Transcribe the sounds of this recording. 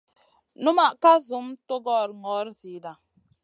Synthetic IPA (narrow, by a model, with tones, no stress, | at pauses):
nu˦ma˨ʔka˦zu˨˦mto˦ɡɔ˦˨ɾŋɔ˨˦ɾzi˨˦da˨